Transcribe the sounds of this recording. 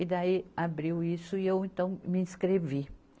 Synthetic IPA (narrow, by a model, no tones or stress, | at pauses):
ɪd̪aiabɾiwisʊiewẽnt̪ɐ̃w̃mɪĩskɾevi